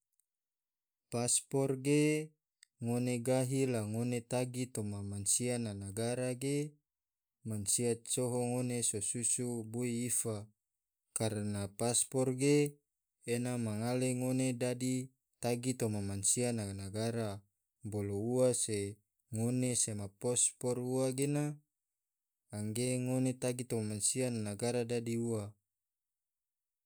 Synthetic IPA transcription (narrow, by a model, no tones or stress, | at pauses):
paspɔrɡe | ŋoneɡaɦilaŋonet̪aɡit̪omamansiananaɡaɾaɡe | mansiat̪̚soɦoŋonesosusubuiːfa | kaɾənapaspɔrɡeː | namaŋaleŋonedadi | t̪aɡit̪omamansiananaɡaɾa | bolouase | ŋonesemapɔspɔruaɡena | ŋɡeŋonet̪aɡit̪omamansiananaɡaɾadadiua